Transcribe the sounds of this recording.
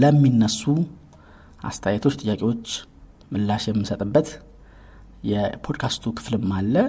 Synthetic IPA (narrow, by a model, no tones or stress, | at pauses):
ləmːinːəsːu | ʔa̰st̪ʰəjet̪ʰo̞t͡ʃːt̪ʼɨjːakʼewo̞t͡ʃː | mɨlːaʃjɛmːɨsət̪ʼɨbːət̪ | jɛpʰo̞d̪kʰast̪ʰukʰɨ̥flɨmːalːə